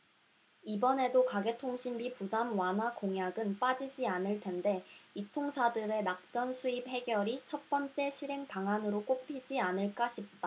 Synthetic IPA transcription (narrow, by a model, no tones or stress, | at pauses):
ibʌne̞dokaɡe̞tʰoŋɕʰimbipudamwanɦakoŋjaɡɯnp͈ad͡ʑid͡ʑianɯɭtʰe̞nde̞itʰoŋsʰadɯɾe̞nak̚t͡ɕ͈ʌnsʰuip̚he̞ɡjʌɾit͡ɕʰʌt̚p͈ʌnt͡ɕ͈e̞ɕʰiɾɦe̞ŋpaŋanɯɾok͈opʰid͡ʑianɯɭk͈aɕʰip̚t͈a